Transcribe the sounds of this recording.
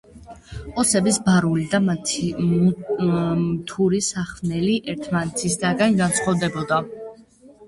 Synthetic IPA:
ɔsɛbisbaɾulid̪a | mt̪ʰuɾisaχvnɛliʔɛɾt̪ʰmanɛt̪ʰisd̪aɡanɡant̪sʰχɔvd̪ɛbɔd̪a

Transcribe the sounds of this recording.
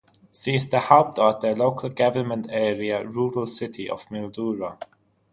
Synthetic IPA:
siːsdəhɛlp̚dɔt̪̚ðəloʊkʰəlˠɡʌvə˞mə̃ntʰɛːɹiəɹuːɹəlˠsɪtʰiʔə̰vmɪlduːɹə

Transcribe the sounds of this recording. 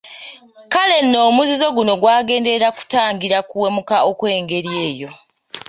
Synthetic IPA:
kale̞nːo̞ːmuzizo̞ɡuno̞ɡwaːɡe̞ːndeɾaku̥taːŋɡiɾakuwe̞mukaokwe̞ːŋɡe̞ɾjeːjo̞

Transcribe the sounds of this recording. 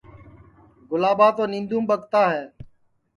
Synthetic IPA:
ɡʊlaːɓaːt̪oːnĩːnd̪ũːmɓəɠt̪aːɦɛː

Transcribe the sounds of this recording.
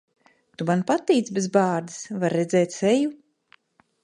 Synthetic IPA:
t̪umanpat̪ːiːt̪sbezbaːɾd̪i̥svaɾːɛd̪zɛːt̪seju

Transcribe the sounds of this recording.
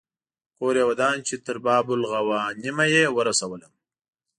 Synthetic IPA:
koːɾewad̪ɑːnt͡ʃet̪əɾbɑːbʊlɣawɑːnimajewəɾasawələm

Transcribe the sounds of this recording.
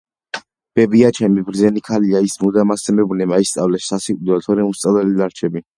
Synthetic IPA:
b̥ɛbiat͡ʃʰɛmibɾd̪zɛnikʰaliaismud̪amasɛmɛbunɛmaist̪sʼavlɛʃsasikʼud̪ɾɛt̪ʰɔɾɛmust̪sʼalɛlid̪aɾt͡ʃʰɛbi

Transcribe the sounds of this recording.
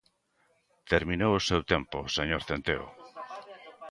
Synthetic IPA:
t̪eɾmĩnowʊsewt̪empʊseɲoɾθent̪eo̰

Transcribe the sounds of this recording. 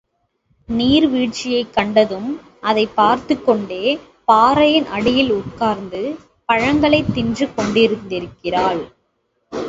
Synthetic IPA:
niːɾʋiːʈ̚t͡ʃɪjɐɪkːɐɳɖɐðɯm | ʔɐðɐɪpːaːɾt̪ɯkːɔɳɖeː | paːɾɐjɪnʔɐɽɪjɪlʊʈ̚kaːɾnd̪ɯ | pɐɻɐŋɡɐɭɐɪt̪ːɪndrɯkɔɳɖɪɾɯnd̪ɪɾɯkːɪraːɭ

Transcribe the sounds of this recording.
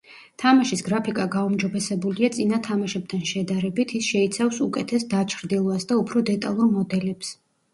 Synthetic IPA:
t̪ʰamaʃisɡɾapʰikʼaɡaumd͡ʒɔbɛsɛbuliat̪sʼinat̪ʰamaʃɛb̚t̪ʰanʃɛd̪aɾɛbit̪ʰisʃɛit̪sʰafsukʼɛt̪ʰɛsd̪at͡ʃʰɾd̪ilˠɔasd̪aupʰɾɔd̪ɛt̪ʼa̰lˠuɾmɔd̪ɛlɛps

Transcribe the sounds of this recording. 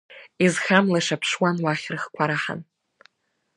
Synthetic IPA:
izxamlaʂapʰʂwanwaχʲrɨχkʷʰaɾaħa̰n

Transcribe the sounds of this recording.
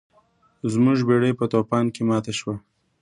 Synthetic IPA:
zmuʒbeɽəjpət̪opɑnkemɑt̪aʃwa

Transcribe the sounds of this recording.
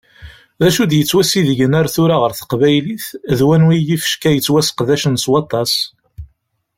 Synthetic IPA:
ðæʃud̪jət͡sːwæsiðəʝənæɾθʊɾaʁəɾθə̥qvæjliθðwænwijifə̥ʃkæjət͡sːwæsə̥qðæʃənswɑt̪ˤːɑs

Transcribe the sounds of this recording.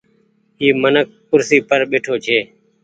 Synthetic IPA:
iːmənək̚ːʊɾsiːpəɾɓeːʈʰoːt͡ʃʰeː

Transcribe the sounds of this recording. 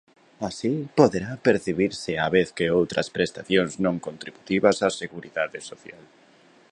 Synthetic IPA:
asipoðeɾapeɾθiβiɾsɪaβeθkɪowt̪ɾɐ̰spɾest̪aθjoŋznõŋkont̪ɾiβut̪iβɐsaseɣuɾiðaðɪsoθjal

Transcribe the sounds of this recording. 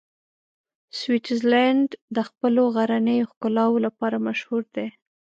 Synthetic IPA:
swiʈzlaɳɖd̪əxpəloɣaɾanəjoxkʊlɑwolapɑɾamaʃhuɾd̪e

